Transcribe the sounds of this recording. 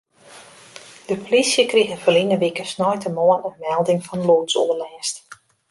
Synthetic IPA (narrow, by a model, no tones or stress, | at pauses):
d̥əpolisjəkrixəfəlinəʋikəsnɔjtəmɔənənmɛlˠdɪŋfɔnluːtsɔ̰əlɛːst